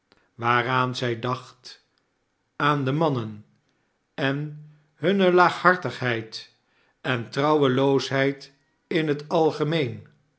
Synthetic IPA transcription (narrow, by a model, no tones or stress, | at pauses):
ʋaːraːnzɛjdɑχt | aːndəmɑnən | ɛn | ɦɵnəlaːχhɑɹtəχɦɛjt | ɛntrɑwəlowsɦɛjt | ɪnɦətɑlˠχəmejn